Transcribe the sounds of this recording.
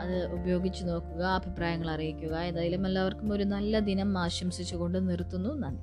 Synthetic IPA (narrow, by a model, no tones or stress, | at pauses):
ɐðɨubɐjo̞ːɡit͡ɕːuno̞ːkːuɣɐɐbʱipraːjɐŋːɐɭɐrijikʲːuɣɐend̪aːjilumːɐlːɐʋɐrkumo̞ɾunɐlːɐd̪inɐmaːɕɐmsit͡ɕːuɣo̞ɳɖɨnirt̪ːunːunːaːn